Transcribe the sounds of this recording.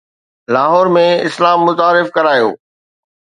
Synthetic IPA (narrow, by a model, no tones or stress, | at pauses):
laːɦɔːɾmẽɪslaːmːʊt̪aːɾɪfkɐɾaːjo̰ː